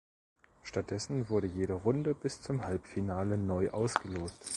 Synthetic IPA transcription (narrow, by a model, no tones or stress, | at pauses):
ʃtat̚d̥ɛsn̩vʊɐɾəjeːɾəʁʊndəbɪst͡sʊmhalpfinaːlənɔʏʔaʊsɡ̥əloːpt